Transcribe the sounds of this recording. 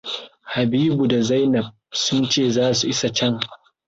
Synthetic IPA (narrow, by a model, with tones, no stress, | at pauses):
ha˨biː˦bu˨da˨za˦jnɐ˨b̚sʊ˦nt͡ʃeː˦˨zaː˦su˨ʔɪ˦sa˨t͡ʃɛ˦ŋ